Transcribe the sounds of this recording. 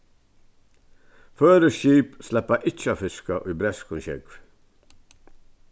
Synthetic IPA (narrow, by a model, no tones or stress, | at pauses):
føːɾəʃiːpslɛpɑʔɪt͡ʃəɑːfɪskɑʔiːbɾɛskʊnçɛ̰ɡʋ